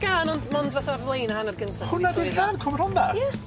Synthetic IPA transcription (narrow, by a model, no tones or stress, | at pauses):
ɡ̥aːnɔndmɔndvaθavlˠejnhanarɡəntʰahʊnadiɬaːnkʰɔmrɔnbarja